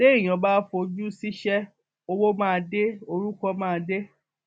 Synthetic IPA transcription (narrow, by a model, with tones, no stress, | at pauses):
le˦i˦˨j̃ɔ̃˨ba˦fo˧d͡ʒu˦si˦ʃɛ˦ | o˧wo˦mãː˦˧de˦o˧ɾu˦kɔ˦mãː˦˧de˦